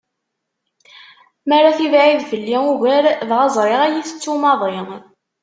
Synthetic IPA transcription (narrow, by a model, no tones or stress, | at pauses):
maɾaθivʕiðvəlːiuʝæɾðʁɑzˤɾˤɪʁæjiθə̥t͡sːumɑðˤi